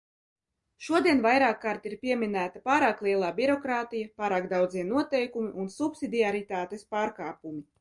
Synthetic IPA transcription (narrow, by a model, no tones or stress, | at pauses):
ʃuɔd̪iɛnvajɾaːkːaːɾt̪iɾpʲiɛmʲinæːt̪apaːɾaːklˠiɛlˠaːbiɾɔkɾaːt̪ijapaːɾaːkd̪awd̪ziɛnuɔt̪ɛjkumiʔunsupsʲid̪ʲiaɾit̪aːt̪espaːɾkaːpumi